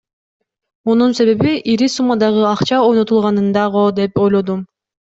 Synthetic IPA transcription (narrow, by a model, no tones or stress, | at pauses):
onunse̞βe̞βiʔiɾisumɑd̪ɑʁɯɑqt͡ʃɑo̞jno̞t̪ulˠʁɑnɯnd̪ɑʁod̪e̞po̞jlˠo̞d̪um